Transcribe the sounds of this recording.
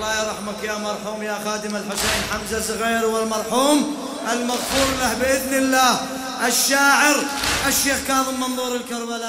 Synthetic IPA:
lːɑːɾˤɑħmakjaːmɑɾˤħuːmjaːxaːd̪ɪmalħʊseːnħamzasˤɣiːɾwɪlmɑɾˤħuːm | ʔɪlmaɣfuːɾˤlahbɪʔɪðnɪlːaːh | ʔɪʃːaːʕɪɾʔɪʃːeːxkaːðˤɨmːɑnðˤuːɾɪlkɑɾˤbala

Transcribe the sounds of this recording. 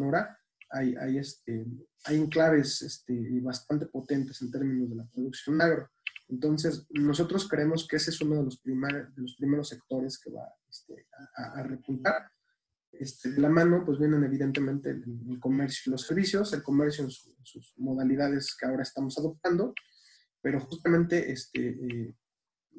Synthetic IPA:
noɾa | aja̰jest̪̚e | ajeŋklaβ̞e̞sest̪eβast̪ant̪e̞̥po̞t̪e̞nt̪e̞se̞nt̪e̞ɾmĩno̞zðe̞lapɾo̞ðuksjo̞nːaɣɾo̞ | e̞nt̪o̞ns̬e̞sno̞s̬o̞t̪ɾo̞skɾeemo̞skeesesuno̞ð̞elospɾimaðe̞lo̞spɾime̞ɾo̞sːekt̪o̞ɾe̞ske̞̰βa̰est̪ḛaaarepunt̪aɾ | est̪eðelamãno̞pwe̞zβje̞ne̞ne̞β̞iðe̞nt̪e̞mẽnt̪e̞̰eelko̞me̞ɾsjoilo̞sːe̞ɾβisjo̞se̞lko̞me̞ɾsjoensuensuzmo̞ðaliðað̞e̞ske̞ao̞ɾaest̪amo̞saðo̞p̚t̪and̪o̞ | pe̞ɾo̞xust̪amẽ̞nt̪e̞ʔest̪ḛe

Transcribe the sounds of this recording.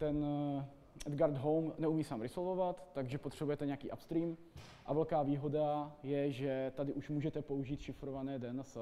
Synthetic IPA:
t̪ɛn | ʔɛd̪ɡaɾd̪ɦowmnɛumiːsaːmɾɪsolvovat̪ːaɡʒɛpot̪r̝̥ɛbujɛt̪ɛɲɛakḭːʔapst̪ɾiːm | ʔavɛlkaːviːɦo̞dajɛʒɛt̪adɪʔuʃmuːʒɛt̪ɛpo̞uʒiːt̪ʃɪfɾovanɛːdɛns

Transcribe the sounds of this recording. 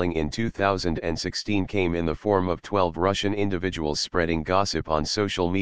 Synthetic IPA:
ɪ̃ŋɪ̃ntʰʉθaʊzɨ̃ndɨ̃nsɪkstʰĩnkʰẽɪ̃mɨ̃nðəfɔɹmʌv̥tʰw̥ɛlˠvɹʌʃɨ̃nɪ̃ndɨvɪd͡ʒəwl̩ˠz̥spɹɛɾɪ̃ŋɡɑsɨpn̩soʊʃl̩ˠmi

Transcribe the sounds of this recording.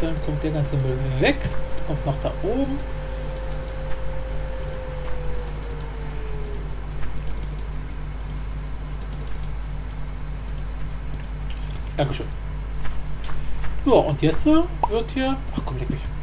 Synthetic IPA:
d̥ankʰɔmt̚d̥eɐɡant͡səmøːdlvɛkkʰɔmtnɔχd̥aːʔoːbm̩ | d̥aŋkəʃøːn | zoːʔʊntjɛt͡sthiːvɪɐthiːɐʔaχkʰɔmlɛkv̥ɪç

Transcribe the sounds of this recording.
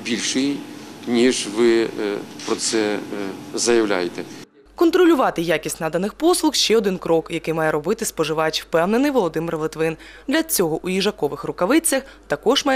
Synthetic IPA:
bʲilʲʃɪjinʲiʒʋɪpɾɔt̪sɛ | zɐjɐʋwlʲa̰jet̪ɛ | kɔnt̪ɾɔlʲʊʋɑt̪ɪjakʲisʲtʲnɑd̪ɐnɪxpɔslˠʊxʃt͡ʃɛɔd̪ɪnkɾɔkjɐkɪjmɑjɛɾɔbɪt̪ɪspɔʒɪʋɑjɛt͡ʃʲwpɛwnenɪjʋɔlˠɔd̪ɪmɪrʋɪt̪ʋɪn | d̪lʲɐt͡sʲɔɦɔʔujiʒɐkɔʋɪxrʊkɐʋɪt͡sʲːɐxt̪ɐkɔʒmɑjɛ

